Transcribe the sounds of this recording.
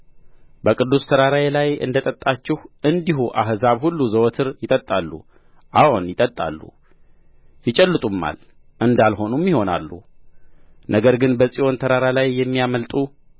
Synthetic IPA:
bəkʼɨd̪ːust̪ʰəɾaɾaelajʔɨ̰nd̪ət̪ʼət̪ʼːat͡ʃːɪhʔɨnd̪iɦuʔaɦzaβhulːuzəwt̪ʰɨɾjɪt̪ʼət̪ʼalːṵ | ʔawunjɪt̪ʼət̪ʼːa̰lːṵ | jɪt͡ʃʼɛlːɨt̪ʼumːa̰l | ʔɨnd̪alho̞numːiho̞na̰lːṵ | nʔəɡəɾɡɨnbəsʼio̞nt̪ʰəɾaɾalajːɛmːijaməlt̪ʼu

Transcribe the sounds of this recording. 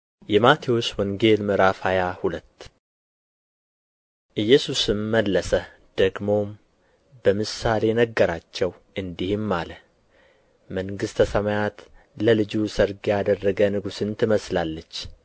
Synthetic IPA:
jɛmat̪ʰiwo̞t͡ʃːwɔŋɡe̞lmɨɾafajahulət̪ː | ʔɨjːɛsusɨmːəlːəsə | d̪̥əɡmo̞m | bəmɨsale̞nəɡːəɾat͡ʃːɛw | ʔɨnd̪ihɪmːalə | məŋɡɨst̪ʰəsəmajat̪ləlɨd͡ʒusəɾɡjad̪ərːəɡənɨɡusɨnt̪ʰɨməslalːət͡ʃː

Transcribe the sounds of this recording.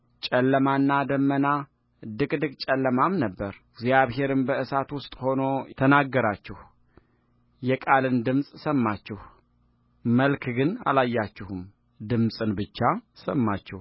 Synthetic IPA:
t͡ʃʼɛlːəmanːad̪əmːəna | d̪ɨkʼd̪ɨkʼt͡ʃʼɛlːəmamnəbːəɾɡzijaβɦe̞ɾɨnbəʔɨsat̪wʊst̪ʼho̞no̞t̪ʰənaɡːəɾat͡ʃːɪh | jɛkʼalɨnd̪ɨmsʼsəmːat͡ʃːɪh | məlkʰɡɨna̰lajːat͡ʃːɪhum | d̪ɨmsʼɨnbɨt͡ʃːasəmːat͡ʃːɛh

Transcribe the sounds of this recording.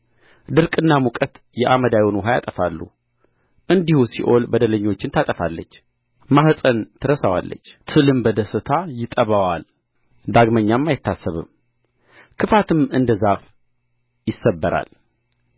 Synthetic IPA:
d̪ɨɾkʼɨnːamukʼət̪ | jɛʔaməd̪ajunwuɦajat̪ʼəfalːṵ | ʔɨnd̪ihusiʔo̞lbəd̪ələɲːo̞t͡ʃːɪnt̪ʰat̪ʼəfalːət͡ʃː | mahsʼənt̪ʰɨɾəsawa̰lːə̰t͡ʃːt̪ʰɨlɨmbəd̪əsɨt̪ʰajɪt̪ʼəβawal | d̪aɡməɲːamːajɪt̪ːasːəβɨ̰m | kʰɨfat̪ʰɨmɨnd̪əzaf | jɪsːəbːəɾa̰l

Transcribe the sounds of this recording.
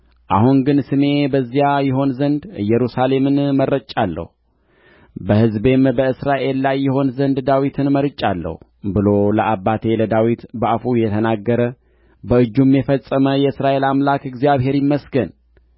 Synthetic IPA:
ʔaɦuŋɡɨnsɨme̞bəzːijajɪɦo̞nzənd̪ɨjːɛɾusale̞mɨnmərːət͡ʃʼalːə̰hu | bəhɨzbe̞mbəɨsɾaʔe̞lːajːɪɦo̞nzənd̪d̪awit̪ʰɨnməɾɨt͡ʃʼːalːə̰hu | bɨlo̞ləʔabːat̪ʰe̞ləd̪awit̪bəʔafujɛt̪ʰənaɡːəɾə | bəɨd͡ʒːumjɛfəsʼːəməjɛɨsɾaʔe̞lamlakɨɡzijaβɦe̞ɾjɪmːəsɡən

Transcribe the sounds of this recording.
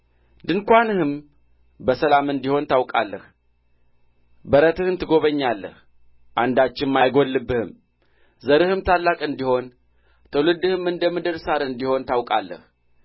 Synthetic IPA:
d̪ɨŋkʷanɨhɨm | bəsəlamɨnd̪iho̞nt̪ʰawkʼa̰lːəh | bəɾət̪ɨhɨnt̪ɨɡo̞βəɲːalːə̰h | ʔand̪at͡ʃːɪnmajɡo̞lːɨbːɨhɨm | zəɾɨhɨmt̪ʰalːakʼɨnd̪iho̞n | t̪ʰəwlɨd̪ɨhɨmɨnd̪əmɨd̪ɨɾsaɾɨnd̪iho̞nt̪awkʼa̰lːə̰h

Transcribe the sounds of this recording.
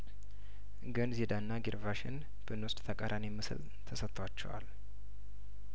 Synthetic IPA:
ɡənzed̪anːaɡiɾvaʃɪ̰n | b̥ɨnwʊst̪ʼt̪ʰəkʼaɾʔanimɨsɨ̰l | t̪ʰəsət̪ʰːwat͡ʃːɛ̰wa̰l

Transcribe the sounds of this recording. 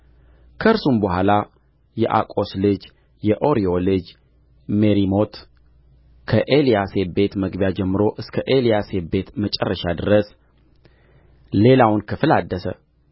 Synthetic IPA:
kʰəɾsumbəhʷala | jɛʔa̰kʼo̞slɨd͡ʒ | jɛʔo̞ɾiolɨd͡ʒ | meɾimo̞t̪ | kʰəʔe̞lijase̞be̞t̪məɡbjad͡ʒɛmːɨɾo̞ʔɨskʰəʔelijase̞be̞t̪mət͡ʃʼɛrːəʃad̪ɨɾəs | le̞lawnkʰɨfɨlad̪ːəsə̰

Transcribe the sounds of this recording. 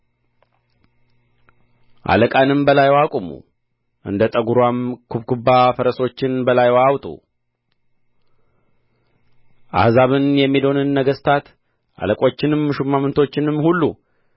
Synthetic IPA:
ʔa̰ləkʼanɨmbəlajwakʼumṵ | ʔɨ̰nd̪ət̪ʼəɡuɾwamkʰubkʰubːafəɾəso̞t͡ʃːɪnbəlajwawt̪ʼṵ | ʔa̰hzaβɨnjɛmːid̪o̞nɨnːəɡəst̪ʰat̪ | ʔa̰ləkʼo̞t͡ʃːɪnɨmːɨʃumːamənt̪ʰo̞t͡ʃːɪnɨmːhulːṵ

